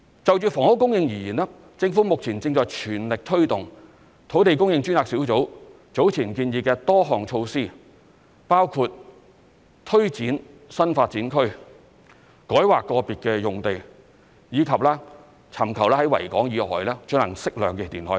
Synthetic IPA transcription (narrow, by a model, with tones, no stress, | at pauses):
t͡sɐ˨wt͡ʃyː˨fɔː˨˩ŋho˨˥wkʊ˥ŋjɪ˧ŋjiː˨˩jiː˨˩nɛː˥ | t͡sɪ˧ŋfuː˨˥mʊ˨k̚t͡sʰiː˨˩nt͡sɪ˧ŋt͡sɔː˨jt͡ʃʰyː˨˩nlɪ˨k̚t̪ʰɵ˥ɥt̪ʊ˨ŋ | t̪ʰo˨˥wt̪e˨jkʊ˥ŋjɪ˧ŋt͡ʃy˥naː˨ksiː˨˥wt͡so˨˥w | t͡so˨˥wt͡sʰiː˨˩nkiː˧njiː˨˧kɛː˧t̪ɔː˥ɦɔː˨ŋt͡ʃʰo˧wsiː˥ | paː˥wkʰuː˧t̚ | t̪ʰɵ˥ɥt͡siː˨˥n | sɐ˥nfaː˧t̚t͡siː˨˥nkʰɵ˥ɥ | kɔː˨˥jwaː˨kːɔː˧piː˨t̚kɛː˧jʊ˨˩ŋt̪e˨j | jiː˨˧kʰɐ˨p̚laː˥ | t͡sʰɐ˨˩mkʰɐ˨˩wlaː˥hɐ˨˧˥jwɐ̰˨˩jkɔː˨˥ŋjiː˨˧hɔ̰ː˨˩jlɛː˥t͡ʃɵ˧˥ŋlɐ˨˩ŋsɪ˥k̚lœː˨ŋkɛ˧˩t̪iː˨˩nhɔ̰ː˨˥j